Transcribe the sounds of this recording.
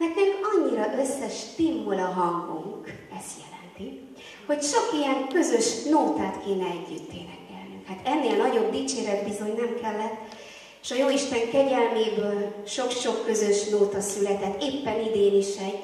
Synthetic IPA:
mɛrt̪neːmɒɲːiɾɒʔøsːɛʃt̪imːulɒɦɒŋɡuŋk | ɛst̪jɛlɛnt̪i | ho̞cʃokijɛŋkø̞zø̞ʃnoːt̪aːt̪keːnɛɛɟːyt̪ːeːnɛkɛlnyŋkhat̪ɛnːeːlnɒɟo̞b̚d̪iːt͡ʃeːɾɛd̪bizo̞ɲnɛmkɛlːɛt̪ː | eːʃɒjoːiʃt̪ɛŋkɛɟɛlmeːbøːlʃo̞kʃo̞kːø̞zø̞ʃnoːt̪ɒsylɛt̪ɛt̪ːeːpːɛnid̪eːniʃɛɟ

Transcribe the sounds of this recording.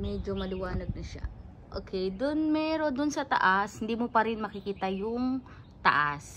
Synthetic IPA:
mɛd͡ʒomɐlɪwaːnɐɡ̚nɐʃa̰ | ʔo̰ːkʰɛjd̪ʊnmɛːɾo̞d̪ʊnsɐt̪ɐ̰ʔashɪnd̪iːmopɐɾɪnmɐkɪkiːt̪ɐjʊŋ | t̪ɐ̰ʔas

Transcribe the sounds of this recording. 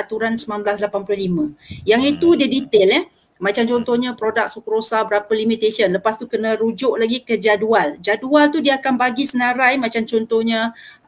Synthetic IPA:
at̪uɾansəmanblaslapanplohlimə̃jaŋit̪udədit̪elɛ | mat͡ʃamt͡ʃɔnt̪ɔhɲapɾodak̚sukuɾosabəɾapəlimit̪esiənləpast̪ukənə̃ɾud͡ʒʊʔlaɡikəd͡ʒaduald͡ʒadualt̪udiaakanbaɡisənaɾajmat͡ʃamt͡ʃɔnt̪ɔhɲa

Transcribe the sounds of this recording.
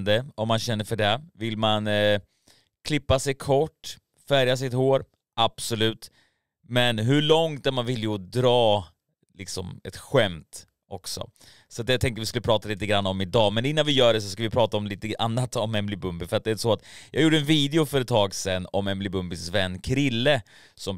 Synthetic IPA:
d̪əɔmːanɕɛnːəɾfœɖɛvɪlman | kʰlɪpːasɛjkʰɔʈː | fæɾjas̬ɪt̪hoːɾ | ʔab̥sɔlʉ̟ːt̪ | mɛnɦɵɭɔŋt̪̚d̪ɛmanvɪlːjəɔd̪ɾɑː | lɪksɔ̰mɛ̰t̪ɧɛmt̪ | ʔɔksɔ̰ | sɔat̪jat̪ʰɛŋkt̪əvɪskɵləpʰɾɑːt̪aliːt̪əɡɾanːaɔmɪd̪ɑːmɛnɪnːanvɪjœːɖɛs̬ɔskavɪpʰɾɑːt̪aɔmliːt̪əʔa̰nːat̪ɔmɛnmlɪbɵmbɪfœɾat̪̚d̪ɛæːɾsɔat̪jʔɑ̰ːɡjuːɖəɛnviːd̪ɛʊfœɾɛt̪ʰːɑːɡsɛnːɔmɛmblɪbɵmbɪsvɛnːkʰɾɪlːə | sɔm

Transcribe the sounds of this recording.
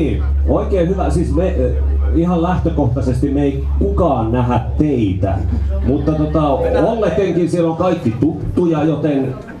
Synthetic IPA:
iː | oˑikeːhyʋæsiːsme | ihɑllæht̪økoht̪ɑsest̪immei | kukɑːnnæhæt̪t̪eit̪æ̰mut̪ːɑt̪ot̪ɑolːekːeŋkinsieloŋkɑikːit̪ut̪ːujɑjot̪en

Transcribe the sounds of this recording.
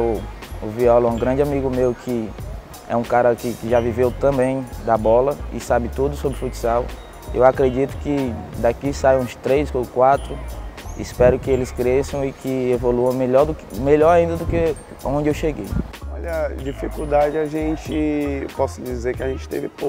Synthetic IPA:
viɔlɛ̃ɡɾɐ̃d͡ʒɪamiɡʊmewkʰɪ | ɛ̰ũkaɾɐkɪkɪʒavivewt̪ɐ̃bẽj̃d̪ɐbɔlɐɪ̰sabɪt̪ud̪ʊsobɾɪfut͡ʃi̥saw | ʔewakɾed͡ʒit̪ʊ̥kɪd̪akisaj̃ũst̪ɾejskõkwat̪ɾʊispɛɾʊkɪelɪskɾesɐ̃w̃ɪkɪevoluɐ̃w̃meʎɔɾd̪ʊmeʎɔɾaĩnd̪ɐd̪ʊke | aõd͡ʒɪewʃeɡḛjɔʎɐd͡ʒifikud̪ad͡ʒɪaʒẽt͡ʃɪpɔsʊd͡ʒizeɾkɪaʒẽnt͡ʃɪ̥t̪ḛvɪpo

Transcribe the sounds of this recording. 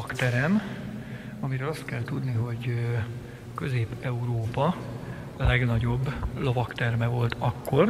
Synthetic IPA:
kt̪ɛɾɛm | ɒmiɾøːlɒst̪kɛlt̪ud̪niɦo̞ɟ | kø̞zeːpɛuɾoːpɒ | lɛɡnɒɟo̞bːlo̞vɒkt̪ɛrmɛvo̞lt̪ʰɒkːo̞r

